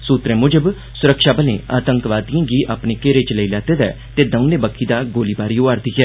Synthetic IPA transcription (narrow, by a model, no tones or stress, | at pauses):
suːt̪ɾẽːmʊd͡ʒəb | sʊɾəkʃaːbəlḛ̃ːʔaːt̪ə̃ŋkʋaːd̪ijãːɡiːʔaːpneːkeːɾet͡ʃləilɛːt̪eːd̪ɛ̰ː | t̪eːd̪ə̃neːbəkʰːiːd̪aːɡoːlibaːɾiːoːaɾd̪ikɛː